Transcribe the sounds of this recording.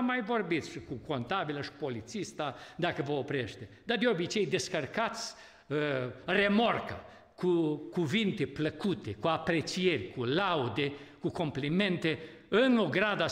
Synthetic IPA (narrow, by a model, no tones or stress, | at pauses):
mːajvo̞rbit̪sʃikuko̞nt̪abiləʃi̥po̞lit̪sist̪ad̪akəvəopɾʲeʃt̪e | d̪ad̪eo̞bit͡ʃe̞jd̪e̞skərkat̪sʲ | re̞mo̞rka̰ | kukuvint̪e̞pləkut̪ekuapɾet͡ʃije̞rʲkulawud̪e̞kuko̞mplime̞nt̪e̞ | ɨnoɡɾad̪a